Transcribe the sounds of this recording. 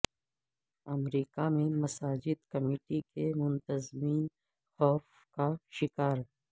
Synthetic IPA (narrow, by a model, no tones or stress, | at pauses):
ɐmɾiːkamẽmɐsaːd͡ʒɪd̪kɐmeːʈikemʊ̃nt̪əzmiːn | xɔːf | kaʃɪkaːɾ